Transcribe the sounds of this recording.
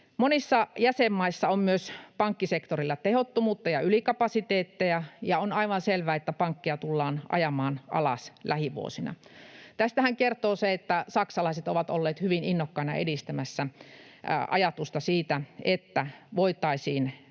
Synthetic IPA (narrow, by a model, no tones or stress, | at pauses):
monisːɑjæsemːɑisːɑommyøspɑŋkːisekt̪orilːɑt̪ehot̪ːomuːt̪ːɑjɑylikɑpɑsit̪eːt̪ːejæjɑonɑiʋɑnselʋæːet̪ːæpɑŋkːiɑt̪ulːɑːnʔɑ̰jɑmɑːnʔɑ̰lɑ̰slæhiʋṵo̰sinɑ̰t̪æst̪æhæŋkert̪oːseet̪ːæsɑksɑlɑiset̪oʋɑt̪o̰lːeːt̪hyʋininːokːɑinɑ̰ʔḛdist̪æmæsːæ | ʔɑ̰jɑt̪ust̪ɑsiːt̪æet̪ːæʋoit̪ˑɑisiːn